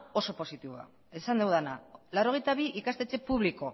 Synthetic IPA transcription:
o̞so̞po̞sit̪iβoa̰ | esand̪e̞wðenalawɾo̞ɣ̞ejt̪aβ̞iʔikast̪et͡se̞puβliko̞

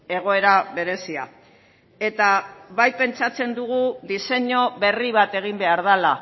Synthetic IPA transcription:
e̞ɣ̞o̞e̞ɾaβe̞ɾe̞sia̰ | e̞t̪aβajpe̞nt͡sat͡se̞nd̪uɣ̞uðise̞ɲo̞βe̞riβat̪e̞ɣ̞imbe̞aɾð̞ala

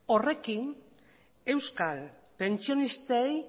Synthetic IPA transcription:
o̞re̞kin | e̞wskal | pe̞nt͡sio̞nist̪ej

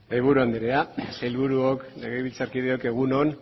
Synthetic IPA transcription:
ejβuɾuand̪iɾeasajlβuɾuokneɣejβilt͡saɾkiðeo̞ke̞ɣ̞uno̞n

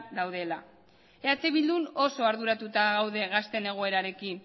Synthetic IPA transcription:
d̪awð̞e̞la | eat͡seβild̪uno̞so̞aɾðuɾat̪ut̪aɣawðe̞ɣast̪e̞ne̞ɣ̞o̞e̞ɾaɾe̞kin

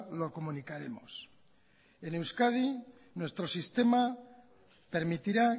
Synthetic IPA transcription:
lo̞ko̞munikaɾe̞̰mo̞̰s | e̞ne̞wskað̞i | nwe̞st̪ɾo̞sist̪e̞ma | pe̞ɾmit̪iɾa

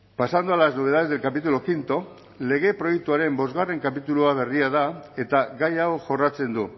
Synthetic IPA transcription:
pasand̪ualaznoe̞ðaðe̞zðe̞lkapit̪ulokint̪o̞ | le̞ɣ̞e̞pɾo̞jek̚t̪uaɾe̞mbo̞zɣare̞ŋkapit̪uluaβ̞e̞riað̞ae̞t̪aɣajawʝo̞rat͡se̞nd̪u

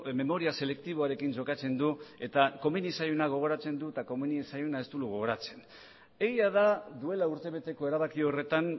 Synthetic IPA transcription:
me̞mo̞ɾiase̞le̞kt̪iβ̞o̞aɾe̞kind͡ʒo̞kat͡se̞nd̪ue̞t̪ako̞minisajunaɣ̞o̞ɣ̞o̞ɾat͡se̞nd̪ut̪ako̞minisajunae̞st̪uluɣo̞ɣ̞o̞ɾat͡se̞̥n | e̞ɣiaðaðue̞lauɾt̪e̞β̞e̞t̪e̞ko̞e̞ɾaβakio̞re̞t̪an

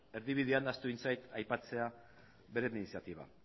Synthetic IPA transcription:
e̞ɾðiβið̞iand̪ast̪uint͡sajt̪ajpat͡se̞a | βe̞ɾeminisiat̪iβa̰

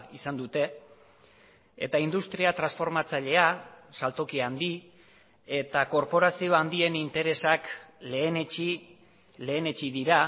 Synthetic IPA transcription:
isand̪ut̪e̞ | ḛt̪aind̪ust̪ɾiat̪ɾansfo̞ɾmat͡saʎe̞asalt̪o̞kiand̪i | e̞t̪ako̞ɾpo̞ɾasio̞and̪ie̞nint̪e̞ɾe̞sakle̞ːnet͡ʃi | le̞ːne̞t͡ʃiðiɾa

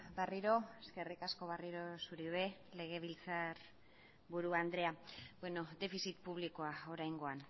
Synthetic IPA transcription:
bariɾo̞eske̞rikasko̞βariɾo̞suɾie̞ | le̞ɣ̞e̞β̞ilt͡saɾ | βuɾuand̪ɾe̞abweno̞d̪e̞fisit̪puβ̞liko̞ao̞ɾajŋɡo̞an

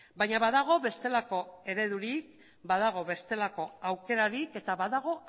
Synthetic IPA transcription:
bajɲaβaðaɣ̞o̞βe̞st̪e̞lako̞e̞ɾe̞ðuɾik̚ | baðaɣ̞o̞βe̞st̪e̞lako̞awke̞ɾaɾike̞t̪aβaðaɣ̞o̞

